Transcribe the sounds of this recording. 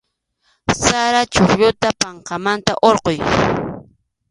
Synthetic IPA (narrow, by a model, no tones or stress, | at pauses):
saɾat͡ʃoχʎʊt̪apaɴqɑmant̪aʔoɾqoj